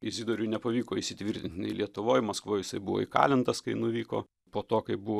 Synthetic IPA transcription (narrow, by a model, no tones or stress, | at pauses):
ɪzʲiːd̪oːɾʲʊːnʲɛpɐʋʲiːkoːɪʃʲsʲɪt̪ʲʋʲiɾʲt̪ʲɪnt̪ʲnʲɛ̰ɪlʲiɛt̪ʊʋoːjmɐskʋoːjɪsɐɪbuʋo̰ɪkɑ̰ːlʲɪnt̪ɐskɐɪnʊʋʲiːko̰ː | poːt̪oːkɐɪbuʋoː